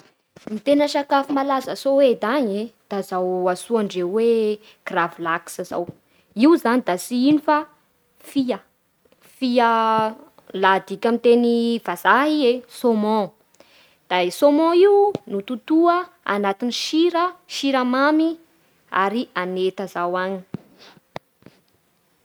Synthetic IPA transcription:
mit̪enəʃakafimalazasowed̪aɲed̪̥azawasuaɳɖ͡ʐewe | kravilaksaza̰w | iwzanid̪asiinifa | fiə | fiə | lad̪ikʲamit̪enivazaɦiesomɔ̃ | d̪̥asomɔ̃iwunut̪ut̪uə | a̰nat̪iniʃiɾəʃiɾamami | a̰ɾiʔanet̪azawaɲi̥

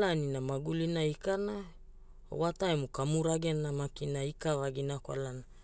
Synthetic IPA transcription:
laninamaɡulinaikana̰ | wataemukamuɾaɡenamakinaikavaɡinakwa̰lana

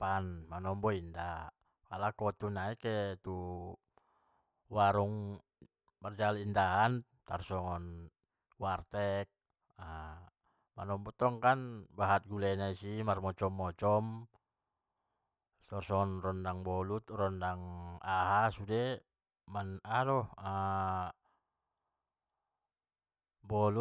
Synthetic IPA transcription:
panmanɔmbɔinda | kalakɔt̪unaikɛt̪u | waɾuŋ | mard͡ʒalindaan | t̪arsɔŋɔn | wart̪ɛk̚ | a | manɔmbɔt̪ɔŋkanbaɦat̪̚ɡulɛnaisimarmɔt͡ʃɔmːɔt͡ʃɔm | t̪ɔrsɔŋɔnrɔndaŋbɔlut̪rɔndaŋaɦasudɛ | manadɔa | bɔlu

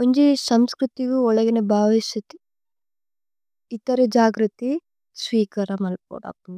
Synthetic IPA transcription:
uɲd͡ʒesɐmskɾut̪iɡuɔɭɐɡinebʱaːʋiʃɐt̪i̥ | it̪ɐɾed͡ʒaːɡɾɐt̪i | sʋiːkɐɾɐmɐlp̚o̰ːɽɐ̰pːun

